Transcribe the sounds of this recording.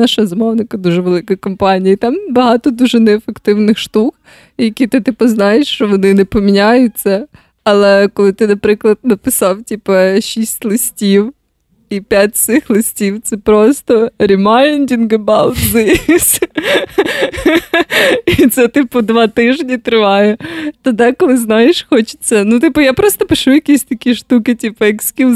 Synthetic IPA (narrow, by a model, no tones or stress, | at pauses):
nɑʃɐzɐmɔwnɪkɐd̪uʒɛʋelˠɪkɐjkɔmpɑnʲijit̪ɑmbɐɦɑt̪ɔd̪uʒɛnɛːfekt̪ɪwnɪxʃt̪uk | jɐkʲit̪ɪt̪ɪpɐznɑjeʃt͡ʃɔʋɔnɪnɛpɔmʲinʲajʊt͡sʲːɐ | ɐlˠɛkɔlˠɪt̪ɪnɐpɾɪklˠɐd̪nɐpɪsɑwtʲipɐʃʲisʲtʲlˠɪsʲtʲiw | ipʲjatʲsɪxlˠɪsʲtʲiwt̪sɛpɾɔst̪ɔɾʲimɑɪnʲdʲinɡɐbɑwt̪zɪsʲ | it̪sɛt̪ɪpʊd̪ʋɑt̪ɪʒnʲit̪ɾɪʋɑjɛt̪ɐd̪ɛkɔlˠɪznɑjeʃxɔt͡ʃɪ̥t͡sʲːɐnut̪ɪpʊjapɾɔst̪ɔpɪʃujɐkʲisʲt̪ɐkʲiʃt̪ukɪtʲipɐɛksʲkʲi